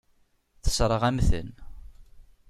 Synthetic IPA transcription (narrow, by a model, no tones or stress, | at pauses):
θə̥sɾˤəʁæmθə̰n